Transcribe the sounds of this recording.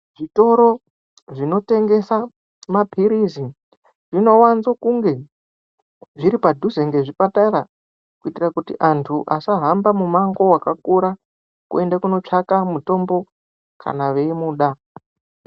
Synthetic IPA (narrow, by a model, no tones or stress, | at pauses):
ʐito̞ɾo | ʐino̞te̞ŋɡe̞sa | mapʰiɾizi | ʐino̞wanzokuŋɡe̞ | ʐiɾipadʱuzeŋɡe̞ʐipataɾa | kuitirakutiʔantʰuʔasaɦambamumaŋɡo̞wakakuɾa | kue̞ndakuno̞t͡ʂakamuto̞mbo̞ | kʰa̰naʋe̞imuːɗa